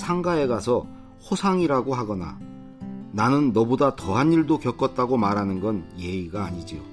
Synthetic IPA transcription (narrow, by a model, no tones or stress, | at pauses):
sʰaŋɡae̞ɡasʰʌ | ɸosʰaŋiɾaɡoɦaɡʌna̰ | nanɯnːʌbodatʌɦaniɭdokjʌk͈ʌt̚t͈aɡomaɾɦanɯnɡʌnje̞iɡaːɲid͡ʑio